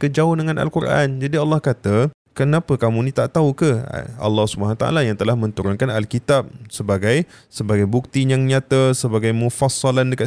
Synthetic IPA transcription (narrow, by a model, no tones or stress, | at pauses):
kəd͡ʒaʊndəŋãnʔa̰lkurʔa̰nd͡ʒadiɑlːɑhkat̪a | kənapəkamũnĩt̪aʔt̪auka̰ɑ̰lːɑhsubənant̪a̰ʔa̰lajaŋt̪əlahmə̃nt̪uɾʊnkanalkit̪ap̚səbaɡajsəbaɡajbuk̚t̪iɲaŋɲat̪asəbaɡajmũfɑsːɑlandəka